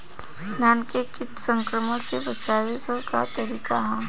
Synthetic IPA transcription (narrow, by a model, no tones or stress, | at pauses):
naːnkekɪʈsə̃ŋkɾəməsebɐt͡ʃaːʋeɡokat̪ɐɾiːkaɦɛ̃ː